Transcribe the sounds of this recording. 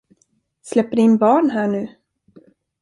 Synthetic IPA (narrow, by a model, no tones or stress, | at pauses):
slɛpːəɖɪnbɑːɳɦæːɳʉ̟ː